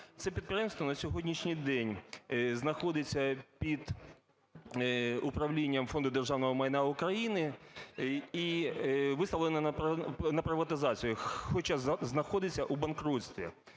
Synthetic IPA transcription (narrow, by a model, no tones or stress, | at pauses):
t̪sɛpʲid̪̚pjɛmst̪ʋɔnɐsʲɔɦɔdʲnʲiʃnʲijd̪ɛnʲznɐxɔd̪ɪt͡sʲːɐpʲid̪ | ʊpɾɐwlʲinʲːɐmfɔnd̪ʊd̪erʒɑwnɔɦɔmɐjnaʊkɾɐjinɪ | iʋɪsɐlˠɪnɐɐnɐpɾɪʋɐt̪ɪzɑt͡sʲijʊxɔt͡ʃaznɐxɔd̪ɪt͡sʲːɐʔubɐnkɾut̪sʲt̪ʲʋʲḭ